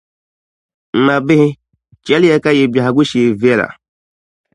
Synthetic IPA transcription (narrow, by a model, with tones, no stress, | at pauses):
m̩˦ma˨bɪ˦hĩ˦ | t͡ʃɛ˨˦lɛ˨ka˦˨je˨bja˨a˨ɡu˦ʃe˨vi˦ɛ˦˨la̰˨